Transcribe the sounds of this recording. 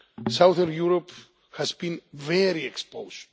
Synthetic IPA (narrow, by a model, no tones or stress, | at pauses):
sawðənjuɾop | hazbĩnvɛɾiekspoz̥